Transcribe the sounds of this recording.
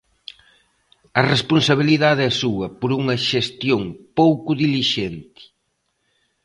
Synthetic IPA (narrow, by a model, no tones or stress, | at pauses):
ɐrespunsɐβ̞iliðaðɪɐsuɐpoɾuŋɐʃest̪joŋpowkʊðiliʃent̪ɪ̥